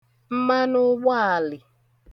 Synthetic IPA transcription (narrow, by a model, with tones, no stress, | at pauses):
m̩˦ma˦nʊ˦ɡ͡ba˦a˨lɪ˨